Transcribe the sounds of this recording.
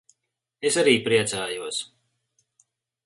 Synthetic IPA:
esaɾiːpɾiɛt̪saːjuɔs

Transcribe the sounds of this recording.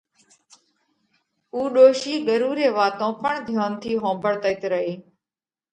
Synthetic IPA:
uːɗoːʃiːɠəɾuːɾeːʋaːt̪õːpəɳd̪ʱjaːnt̪ʰiːɦõːmbəɽt̪əɪt̪ɾəɦeː

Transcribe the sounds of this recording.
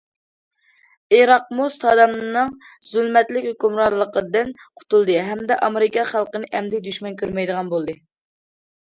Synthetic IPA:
iɾɑq̚must̪ʰɑd̪ɑmnɨŋ | zylmɛt̪lɪkʲhøkʲymɾɑlˠːəqəd̪ɨnqʰʊ̥t̪ulˠd̪ɨɦɛmd̪ɛʔɑmeɾɪkɑχælˠqənɨʔɛmd̪ɪd̪yʃmɛnkʲʰøɾmɛjd̪əʁɑnbolˠd̪ɨ

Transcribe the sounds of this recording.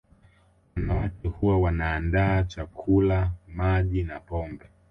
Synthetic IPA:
wanawakɛhuwawanaːndaːt͡ʃakʰulamaʄinapɔmbɛ

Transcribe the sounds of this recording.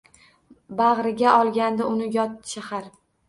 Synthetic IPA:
baʁɾɪɡʲaʔɒlˠɡʲand̪aʊnɪjɒt̪ʃahaɾ

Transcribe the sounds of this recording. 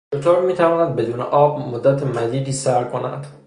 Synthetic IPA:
ot̪ʰoːɾmiːt̪ʰævɒːnæd̪̚be̞d̪uːnḛʔɒːb̚mod̪ːæt̪ʰemæd̪iːd̪iːsæɾkʰo̞næ̰nd̪̥

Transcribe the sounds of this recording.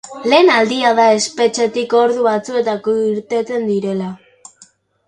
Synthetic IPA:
le̞ːnald̪iaðae̞spe̞t͡ʃe̞t̪iko̞ɾðuβat͡sue̞t̪akoiɾt̪e̞t͡se̞nd̪iɾe̞la

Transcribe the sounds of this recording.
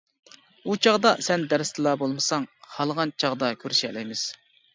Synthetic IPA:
ut͡ʃʰɑʁd̪ɑsɛnd̪ɛɾɪst̪ʰɨlˠɑbolˠmɨsɑŋhɑlˠʁɑnt͡ʃʰɑʁd̪ɑkʲʰøɾʃɛ̰lɛjmɪz̥

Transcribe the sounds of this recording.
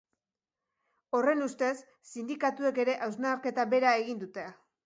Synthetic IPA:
o̞re̞nust̪e̞sː | ind̪ikat̪ue̞ke̞ɾe̞ʔawznaɾke̞t̪abe̞ɾae̞ɣind̪ut̪ea

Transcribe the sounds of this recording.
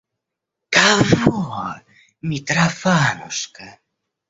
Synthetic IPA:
kavɔa | mʲit̪ɾafanuska

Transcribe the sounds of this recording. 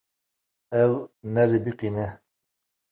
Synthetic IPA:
ɛwnɛɾɪbiqinɛ

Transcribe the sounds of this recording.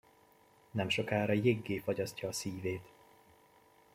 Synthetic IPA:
nɛmʃo̞kaːɾɒjeɡːeːfɒɟɒscɒːsiːveːt̪

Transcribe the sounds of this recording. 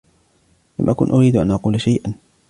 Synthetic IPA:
la̰mʔakʊnʔʊɾiːd̪ʔanʔɑquːlʃajʔan

